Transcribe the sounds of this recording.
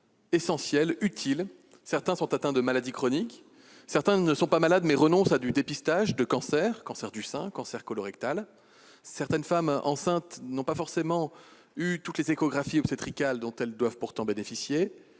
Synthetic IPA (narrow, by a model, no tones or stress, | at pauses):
esɑ̃sjɛlyt̪ʰil | sɛʁt̪ɛ̃sɔ̃t̪at̪ɛ̃d̪əmalad̪ikχɔnik | sɛʁt̪ɛ̃nəsɔ̃pamalad̪mɛʁənɔ̃sad̪yd̪epist̪aʒd̪əkɑ̃sɛʁkɑ̃sɛʁd̪ysɛ̃kɑ̃sɛʁkɔlɔʁɛkt̪al | sɛʁt̪ɛnfamɑ̰̃sɛ̃t̪nɔ̃pafɔʁsemɑ̃ | yt̪ut̪lezekɔɡʁafiɔpset̪χikald̪ɔ̃t̪ɛld̪wavpuʁt̪ɑ̃benefisje